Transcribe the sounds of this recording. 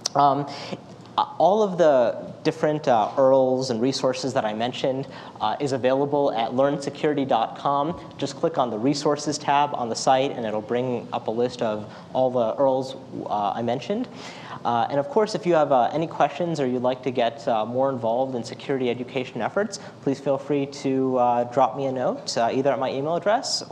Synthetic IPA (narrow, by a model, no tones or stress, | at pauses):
ɔlˠʌvðəd̥ɪfɹɨ̃ntɜ˞l̩ˠzə̃nɹisɔɹsɨzðəɾaɪmɛ̃nʃɨ̃nd | ɪzɨveɪlˠəbl̩ˠɨ̰tˡlɜ̃˞nsɨkʰj̥ʊɹɨɾidɑt̚kʰɑ̃m̥ | d͡ʒʌskʰl̥ɪkn̩ðəɹisɔɹsɨz̥tʰæb̰̃n̩ðəsaɪɾɨ̰̃nɨɾl̩ˠbɹɪ̃ŋʔʌ̰pəlɪstʌv | ʔɔlˠðiɜ˞lˠz | a̰ɪmɛ̃nʃɨ̃nd | ɨ̰̃ñʌv̥kʰɔɹsɨfjɨːvʔɛ̰nikʰw̥ɛst͡ʃɨ̃nzə˞jɨlaɪk̚tʰɨɡɛt̚mɔɹə̃ɱvɑlˠvdɨ̃nsɨkʰj̥ʊɹɨɾiɛd͡ʒɨkʰeɪʃɨ̃n̩ɛfə˞ts | pʰl̥iz̥filˠfɹiɾɨdɹɑp̚miɨnoʊtiðə˞ɨt̚maɪʔimeɪlˠədɹɛs